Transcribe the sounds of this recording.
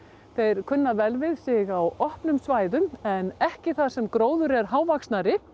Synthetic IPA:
θejɾ̥kʰʏnːavɛlvɪðsɪɣawɔhpnʏmsvaːjðʏmɛnɛhcɪθað̥sɛmkɾoːwðʏɾɛɾ̥ɦaːwvaksnaɾɪ

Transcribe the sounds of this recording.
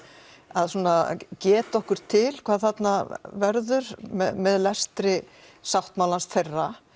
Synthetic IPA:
aðsuːnacɛːt̪ɔhkʏɾ̥t̪ʰɪlkʰvaːðθat̪navɛɾðʏɾmɛmɛðlɛst̪ɾɪ | sawht̪mawlansθejrːa

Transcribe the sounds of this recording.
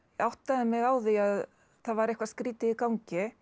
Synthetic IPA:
awht̪aðɪmɛɣawðiað | θaðvaɾɛjhkvaskɾiːt̪ɪikawŋcɪ

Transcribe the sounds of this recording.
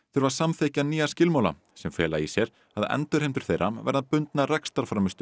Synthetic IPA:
θœɾvaɾ̥samθejhcaniːascɪlmaːwla̰ | sɛmfɛːlaisjɛɾ̥ | haðɛ̰nt̪ʏɾ̥ejmt̪ʏɾ̥θejɾamvɛ̰ɾðapʏnt̪narɛkst̪aɾ̥fɾamʏst̪ʏ

